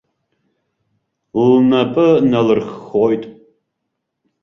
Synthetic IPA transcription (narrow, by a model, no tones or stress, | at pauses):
lnɐpʼɨnɐlɨrχxɔjtʼ